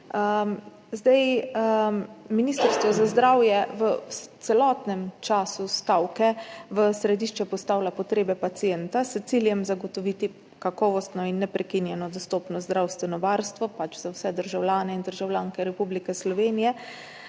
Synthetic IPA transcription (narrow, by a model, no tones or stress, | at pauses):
ə | zd̪aj | minist̪əɾst̪ʋɔzazd̪ɾaːwjɛʋət̪sɛlɔːt̪nɛmt͡ʃaːsust̪awkɛʋəsɾɛd̪iʃt͡ʃɛpɔst̪aːwlapɔt̪ɾeːbɛpat̪sijɛnt̪ast̪siljɛmzaɡɔt̪ɔʋit̪i | kakɔːʋɔst̪nɔinːɛpɾɛkinjɛnɔd̪ɔst̪oːpnɔzd̪ɾawst̪ʋɛnɔʋaɾst̪ʋɔpat͡ʃzawsɛd̪əɾʒawlʲjaːnɛind̪əɾʒawlʲjaːŋkɛɾɛpublikɛslɔʋeːnijɛ